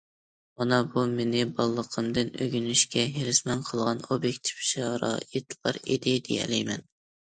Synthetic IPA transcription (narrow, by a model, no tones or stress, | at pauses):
mɑnɑbumenɪbɑlˠːəqʰəmd̪ɨnøɡʲynyʃkʲɛɦeɾɪsmɛnqʰəlˠʁɑnobjekʲt̪ʰi̥fʃɑɾɑ̰it̪ʰlɑ̰ɾḛd̪ɪd̪ejɛ̰lɛjmɛn